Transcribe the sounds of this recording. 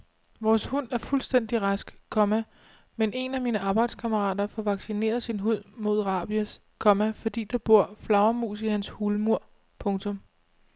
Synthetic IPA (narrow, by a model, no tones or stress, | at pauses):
ʋɒːshun̰æɐfulsd̥en̰d̥iʁɑsɡ̥kʰɒ̽mæ | menʔe̝næmiːnəʔɑ̈ːb̥ɑ̈ɪ̰d̥skʰɑməʁɑ̰̈ːd̥ɐfɒʋɑ̈ɡ̥sine̝̰ːɐð̩ˠsinɦuð̞̰ˠmo̝ð̞̰ˠʁɑ̈ːb̥iæs | kʰɒ̽mæfɒ̽d̥ḭːd̥ɑ̈b̥o̝ɐ̰flɑ̈ʊɐmṵːsihænshulmuɐ̰ | pʰɔ̽ŋt͡sʰɔ̽m